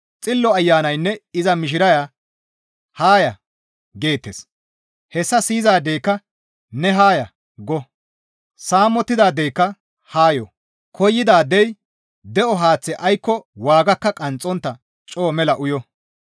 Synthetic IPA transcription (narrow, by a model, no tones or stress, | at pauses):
t͡sʼɪlːɔɐjːaːnɐjnːɛɪzɐmɪʃ̬ɪɾɐja | haːjɐ | ɡe̞ːt̪ːes | hɛsːɐsiːzaːd̪ejkːɐ | nɛɦaːjɐ | ɡɔ | saːmːɔt̪ːɪd̪aːd̪ejkːɐ | haːjɔ | kʰɔjːɪd̪aːd̪ɛj | d̪ɛɔɦaːt͡sːɛʔɐjkːɔwaːɡɐkːɐkʼɐnt͡sʼːɔnt̪ːɐ | t͡ʃʼo̞ːmɛlɐʔʊjɔ